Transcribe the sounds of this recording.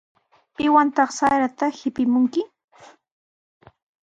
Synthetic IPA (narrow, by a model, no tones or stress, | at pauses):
pɪwant̪ɑχsaɾat̪ahɪpɪmʊŋkɪ